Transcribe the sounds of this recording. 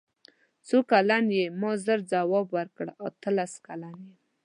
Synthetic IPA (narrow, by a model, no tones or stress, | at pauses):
t͡sokalanjemɑzəɾd͡zawɑbwaɾkəɽat̪əlaskalanje